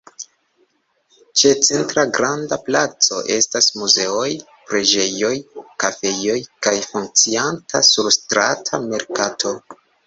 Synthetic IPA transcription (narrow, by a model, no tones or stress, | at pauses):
t͡ʃe̞t͡sentɾaɡɾandaplat͡so̞̰ʔe̞stasmuze̞o̞j | pɾe̞d͡ʒe̞jo̞jkafe̞jo̞jkajfuŋk̚t͡siantʰasuɾstɾatʰame̞ɾkatʰo̞